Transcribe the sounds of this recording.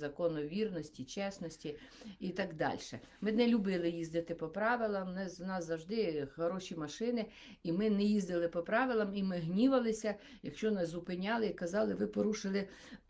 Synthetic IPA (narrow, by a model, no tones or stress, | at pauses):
zɐkɔnɔʋʲirnɔsʲtʲit͡ʃɛsnɔsʲtʲi | it̪ɑɡd̪ɑ̰lʲʃɛ̰mɪnɛlʲʊbɪlˠɪjizd̪ɪt̪ɪpɔpɾɑʋɪlˠɐmnɛnɑsːɐwʒd̪ɪxɔɾɔʃʲimɐʃɪnɪ | imɪnɛjizd̪ɪlˠɪpɔpɾɑʋɪlˠɐmimɪɦnʲiʋɐlˠɪsʲɐ | jɐkʃt͡ʃɔnɛzʊpɪnʲɑlˠɪikɐzɑlˠɪʋɪpɔɾuʃɪlˠɪ